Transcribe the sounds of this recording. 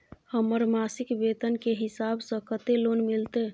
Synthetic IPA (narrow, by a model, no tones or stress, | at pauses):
həməɾmasikbet̪ənkeɦisabsə̃kət̪elonmilt̪e